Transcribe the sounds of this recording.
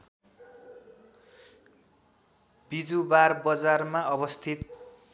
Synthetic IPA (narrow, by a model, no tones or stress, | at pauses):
bid͡zubarbʌd͡zarmaʌbʌst̪ʰit̪̚